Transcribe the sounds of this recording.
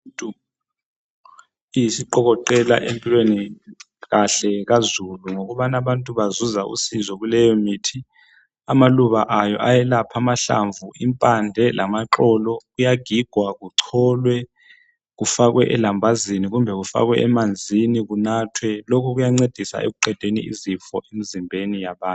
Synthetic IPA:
tʼu | ijisiǃɔɣɔǃɛla̰ʔempʼilweni | ɣaɬɛɣazuluŋoɣuβanaβantʼuβazuzaʔṵsizɔɣulɛjɔmiːtʰi | amaluβaʔajɔʔajɛlapʰamaɬa̰ɱvʱuʔimpʼandʱɛlʔamaǁɔlɔɣujaɡ̥ʱiɡ̥ʱwaɣuǀʰɔːlwɛ | ɣufaɣwɛʔɛlambʱaziniɣumbʱɛɣufa̰ɣwɛʔɛmand͡zʱiniɣunatʰwɛlokʰuɣujaŋ͡ǀed̥ʱisa̰ʔḛɣuǃɛd̥ʱenḭʔḭzifɔʔemizimbʱenijaβaːn

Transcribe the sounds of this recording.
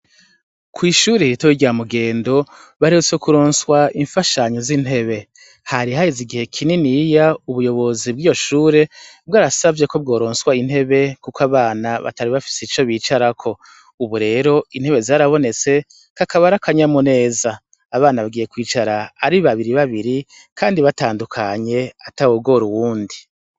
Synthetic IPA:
kwiːʃuːɾeiɾitowiɟamuɡe̞ːndo̞βaɾeut͡sekuɾo̞ːnswaiɱfaʃaɲo̞zin̥he̞βe̞ | haɾiɦajiziɡihe̞kʰininijauβujo̞βo̞zib̚ɡiːjo̞ʃuːɾe̞bɡaːɾasavje̞ko̞b̚ɡo̞ːɾo̞ːnswain̥he̞βe̞kukaβaːnaβa̰taɾiβafi̥set͡ʃo̞βiːt͡ʃaɾakʰo̞ | uβuɾe̞ːɾo̞in̥he̞βe̞zaɾaβo̞ne̞t͡se̞ | kakaβaɾakʰaɲamune̞ːzaː | βaːnaβaɡiːje̞kwiːt͡ʃaɾaːɾiβaβiɾiβaβiɾi | kʰaːndiβataːndukʰaɲe̞atawobɡo̞ɾuwuːndi

